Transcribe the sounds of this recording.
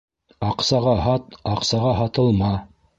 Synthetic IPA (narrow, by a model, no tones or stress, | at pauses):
ɑqsɑʁɑɦɑt̪ɑqsɑʁɑɦɑt̪ɤ̆lˠmɑ